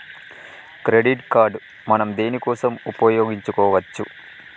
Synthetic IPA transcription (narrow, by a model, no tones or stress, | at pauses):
kɾe̞ɖiʈkaːɾɖ | mɐnɐmd̪eːnikɔːsɐmupɐjoːɡiɲt͡ʃukɔːʋɐt͡ʃːu